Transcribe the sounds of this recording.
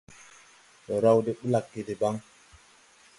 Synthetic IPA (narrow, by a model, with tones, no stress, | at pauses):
ɗɔ˨ɾa˦˨wde˦ɓu˦la˨kːe˨de˨ba˦ŋ